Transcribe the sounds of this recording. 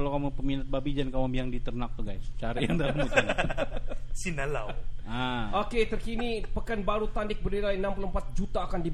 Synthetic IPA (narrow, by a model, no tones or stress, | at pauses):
alawkamopəminat̪̚babid͡ʒankamabiaŋdit̪ərnak̚t̪uɡajst͡ʃaɾajaŋdamusin | sinala̰aoket̪ərkinipəkanbaɾut̪andɪk̚bərnilajənampuloəmpat̪̚d͡ʒut̪aːkandi